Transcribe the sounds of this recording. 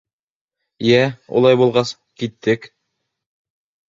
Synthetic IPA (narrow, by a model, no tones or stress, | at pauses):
jæṵlˠɑjbulˠʁɑs | kit̪ːɘk